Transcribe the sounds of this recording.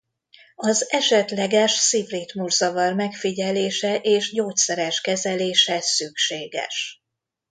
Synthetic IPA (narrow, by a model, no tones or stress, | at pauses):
ɒzɛʃɛt̪lɛɡɛʃsivriːt̪murzɒvɒrmɛkfiɟɛleːʃɛʔeːʒɟoːt̪sɛɾɛʃkɛzɛleːʃɛsykʃeːɡɛ̰ʃ